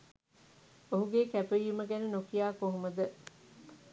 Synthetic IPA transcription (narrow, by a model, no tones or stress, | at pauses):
oɦuɡeːkæpeiːuməɡænənokijaːkoɦuməd̪ə